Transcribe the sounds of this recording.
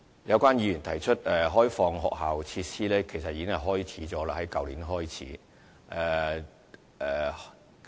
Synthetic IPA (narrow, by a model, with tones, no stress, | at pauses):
jɐ˨˧wkʷaː˥njiː˨˧jyː˨˩nt̪ʰɐ˨˩jt͡ʃʰɵ˥t̚ɛ˨ɦɔː˥jfɔː˧ŋɦɔ̰ː˨k̚ɦaː˨wt͡sʰiː˧t̚siː˥lɛː˥kʰe˨˩jsɐ˨t̚jiː˨˧kɪ˥ŋhɐ˨˩ɦɔː˥jt͡sʰiː˨˥t͡sɔː˨˥laː˧hɐ˨˥jkɐ˨wliː˨˥nɦɔː˥jt͡sʰḭː˨˥ | ʔɛ˨˧ | ɛː˨